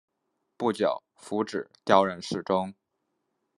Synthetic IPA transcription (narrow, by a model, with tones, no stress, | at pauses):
pu˥˩t͡ɕjɑ̰˨˩˦ʊfu˧˥ʈ͡ʂɻ̩˨˩t̪jɑ˥ʊɻə˧˥nʂɻ̩˥˩ʈ͡ʂʊ˥ŋ